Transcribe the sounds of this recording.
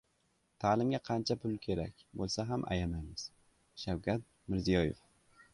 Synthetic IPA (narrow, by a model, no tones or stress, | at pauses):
t̪ʰaːlɪmɡʲaqʰɑnt͡ʃʰapʰʊlˠkʲʰe̞ɾa̰kʲbolˠsaɦamʔa̰janajmɪz̥ | ʃawkʰʲat̪̚ | mɪɾzijɒjḛf